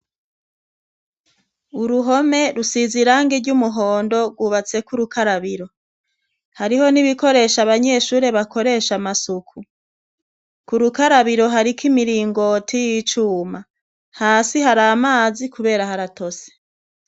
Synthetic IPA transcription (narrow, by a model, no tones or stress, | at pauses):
uɾuɦo̞me̞ɾusiziɾaŋɡeɾɟumuɦo̞ːndo̞ɡwuβat͡se̞kuɾukaɾaβiɾo̞ | haɾiho̞niβiko̞ɾe̞ʃaβaɲe̞ʃuːɾe̞βako̞ɾe̞ːʃamasukʰu | kuɾukaɾaβiɾo̞ɦaɾikimiɾiːŋɡo̞tʰijit͡ʃuːma | haːsihaɾamaːzikuβe̞ːɾahaɾato̞se̥